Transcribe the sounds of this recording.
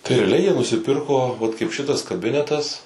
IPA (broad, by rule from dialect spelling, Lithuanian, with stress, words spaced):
tɐɪ rʲɛɐˈlʲɛɪ jiɛ nʊsʲɪˈpʲɪrkoː ʋɐt kɐɪp ˈʃʲɪtɐs kɐˈbʲɪnʲɛtɐs